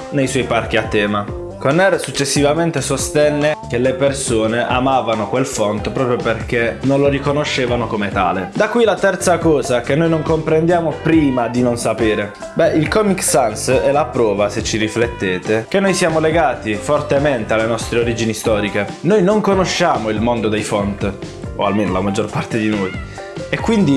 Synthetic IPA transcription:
nejswɔjpark̟iat̪ːɛːma | konːɛrsut͡ʃːesːivament̪esost̪ɛnːek̟elepersoːneʔa̰maːvanokwelfɔnt̪pɾɔːpɾjoperk̟enonloɾikonoʃːeːvanokomet̪a̰ːled̪akwilat̪ɛrt̪sakɔːzak̟enːojnoŋkompɾend̪jaːmopɾiːmad̪inonsapeːɾe | bɛʔilkɔmiksansɛlapɾɔːvaset͡ʃːiɾiflet̪ːeːt̪ek̟enːojsjaːmoleɡaːt̪ifort̪ement̪ealːenɔst̪ɾeoɾiːd͡ʒinist̪ɔːɾikenojnoŋkonoʃːaːmoilmond̪od̪ɛjfɔnt̪ | o̰a̰lmeːnolamad͡ʒːorpart̪ed̪inoːj | ekːwind̪i

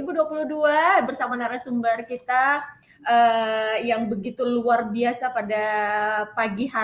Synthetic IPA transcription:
buduapuluhduabərsamanaɾasumbarkit̪a | ʔəjaŋbəɡit̪uluarbiasapadapaɡiɦa

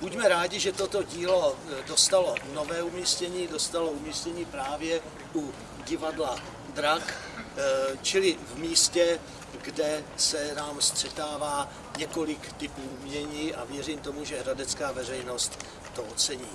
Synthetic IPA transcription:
bucmɛɾaːɟɪʒɛt̪o̞t̪oɟiːlo̞do̞st̪alo̞no̞vɛːumiːscɛɲiːdo̞st̪aloumiːscɛɲiːpɾaːvjɛ | u | ɟɪvadla | d̪ɾak | t͡ʃɪlɪvmiːscɛ | ɡdɛsɛnaːmst̪r̥ɛt̪aːvaː | ɲɛko̞lɪkt̪ɪpuːumɲɛɲiːʔa̰vjɛɾiːmt̪o̞muʒɛɦɾadɛt͡skaːvɛrɛjno̞st̪ː | oʔot͡sɛɲiː

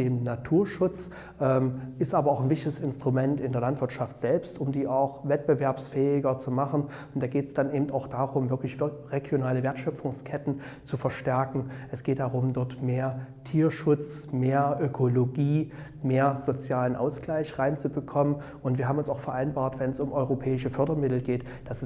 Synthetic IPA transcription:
eːmnatʰuːɐʃʊt͡s | ʔɛːmʔɪstʔaːbɐaʊxnvɪçtɪəsɪnstʁ̥umɛntɪndeːɐlantv̥ɪɐtʃaftz̥ɛlpstʊmdiːʔaʊxvɛt̚b̥əvɛɐpsfɛːɪɡɐt͡sumaχn̩ | nd̥aːɡeːtsd̥anʔeːbm̩taʊxd̥aːʁʊmvɪɐklɪçʁeɡjonaːləveːɐtʃœfʊŋskʰɛtn̩ | t͡sufɛɐʃtɛɐkŋ̩ʔɛsɡ̥eːt̚d̥aʁʊmdɔɐtmeːɐtʰiːɐʃʊt͡smeːɐʔøkʰoloɡiː | meːɐzot͡sjaːlənʔa̰ʊsɡ̥laɪçʁaɪnt͡subəkʰɔmən | ʔʊntv̥iɐɦaːbm̩ʊnsaʊfɛɐʔaɪnbaːɐtv̥ɛnsʊmʔɔʏʁopʰɛːɪʃəfœɐdɐmɪtl̩ɡeːt | d̥as

